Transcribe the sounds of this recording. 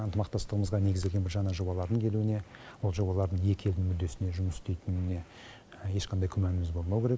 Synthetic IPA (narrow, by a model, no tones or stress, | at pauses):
ənt̪əmɑqt̪ɑst̪əʁəməzʁɑne̞ɡɪzd̪elɡʲe̞nbɪɾʒɑnɑʒo̞bɑlˠɑɾd̪əŋkʲʰe̞luɪne̞wo̞lˠʒo̞bɑlˠɑɾd̪əɴje̞kʲe̞ld̪ɪŋmʏd̪ːe̞sɪne̞ʒʊməsʏ̥st̪ejt̪ɪnɪne̞ | je̞ʃqʰɑnd̪ɑjkʲʰʏmænɪmɪzbo̞lˠmɑwkʲʰe̞ɾek